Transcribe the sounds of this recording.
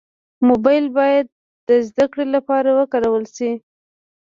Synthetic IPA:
mobɑjlbɑjad̪̚ːəzd̪akɽelapɑɾawəkaɾawəlsi

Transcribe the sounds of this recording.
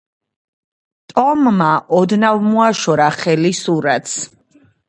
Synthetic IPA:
t̪ʼɔmːaʔɔd̪navmuaʃɔɾaχɛlisuɾat̪s

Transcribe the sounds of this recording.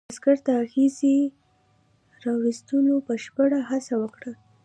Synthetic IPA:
skaɾt̪aːxezi | ɾɑwist̪ulopəʃpəɽaɦasawəkɽa

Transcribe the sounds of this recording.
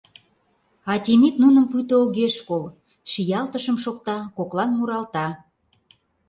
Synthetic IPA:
ɑtʲemit̪nunə̆mpyt̪əoɣeʃkol | ʃijɑlt̪əʃə̆mʃokt̪ɑkoklɑnmuɾɑlt̪ɑ

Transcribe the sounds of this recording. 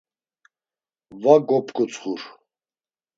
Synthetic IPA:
vaɡɔpʰʼkʰʼɔt͡sʰʼχuɾ

